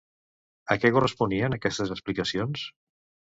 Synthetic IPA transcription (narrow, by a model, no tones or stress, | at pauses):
əkɛkurəspuniənəkɛst̪əzəksplikəsions